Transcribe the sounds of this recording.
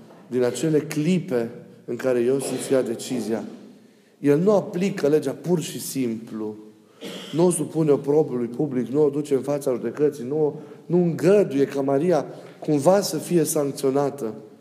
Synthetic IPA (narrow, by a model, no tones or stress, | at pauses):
d̪inat͡ʃe̞le̞klipe̞ɨŋkaɾe̞je̞wsunt̪fijad̪e̞t͡ʃizia | je̞lnuaplikəle̞d͡ʒapurʃisimplu | nuosupuneo̞pɾo̞bulujpʰubliknuod̪ut͡ʃe̞ɨnfat̪səaʒud̪e̞kət̪sijnuonuɨŋɡəd̪uje̞kamaɾija | kumvasəfije̞saŋk̚t̪sio̞nat̪ə